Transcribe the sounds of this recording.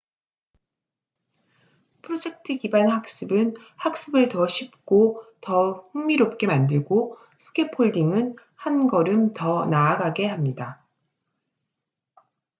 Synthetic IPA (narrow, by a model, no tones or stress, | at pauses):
pʰɯɾod͡ʑe̞k̚tʰɯɡibanɦak̚s͈ɯbɯn | hak̚s͈ɯbɯɭtʌɕʰip̚k͈otʌɸɯŋmiɾop̚k͈e̞mandɯɭɡo | sʰɯ̥kʰe̞pʰoɭdiŋɯn | hanɡʌɾɯntʌnaːɡaɡe̞ɦamɲida